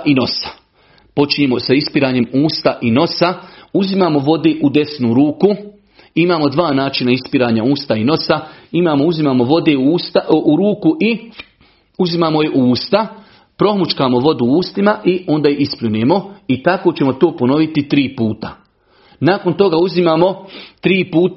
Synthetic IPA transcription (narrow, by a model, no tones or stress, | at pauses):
ʔino̞sḁ | po̞t͡ʃiɲeːmo̞saispiɾaːɲe̞muːst̪aʔino̞sauzimamo̞ʋo̞d̪eːʔud̪e̞snuɾuːku | imaːmo̞d̪ʋaːnaːt͡ʃinaispiɾaːɲauːst̪aino̞saimaːmouzimaːmoʋo̞d̪eːuuːst̪uɾuːkuʔi | uzimaːmo̞jeʔuuːst̪a | pɾo̞ɦmut͡ʃkaːmo̞ʋo̞d̪uuːst̪imaʔio̞nd̪aːjeisplʎʲuneːmo̞it̪ako̞ːt͡ɕe̞mo̞t̪o̞ːpo̞no̞ʋit̪it̪ɾiːpuːt̪a | nako̞nt̪o̞ɡauzimaːmo̞t̪ɾiːpuːt̪